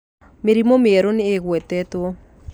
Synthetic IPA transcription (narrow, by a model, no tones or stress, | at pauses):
meɾimomeɛɾoneːɣwɛtɛtwo